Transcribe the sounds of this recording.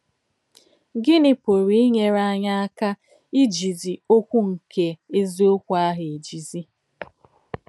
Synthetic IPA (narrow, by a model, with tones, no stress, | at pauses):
ɡɪ˦nɪ˨po˨ɾi˨˦i˦ɲe˦ɾa˦ɲa˦a˦ka˦ | i˦d͡ʒi˨zi˨o˦kʷu˦ŋ̩˨ke˦e˦zi˦o˦kʷu˦a˦ɦe˨e˨d͡ʒi˨zi˦